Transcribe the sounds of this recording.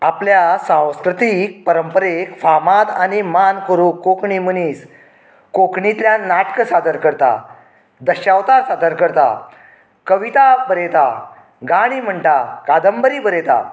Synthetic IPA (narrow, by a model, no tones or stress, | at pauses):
apljasãw̃skɾət̪ik̚pəɾəmpəɾekfamat̪animankoɾuːkːokɳiməniːs | kokɳit̪ljanaʈkəsad̪əɾkəɾt̪a̰ | d̪əɕaʋt̪asad̪əɾkəɾt̪a̰ | kəʋit̪abəɾet̪a | ɡaɽ̃iːm̤əɳʈ̪akad̪əmbəɾiːbəɾet̪a̰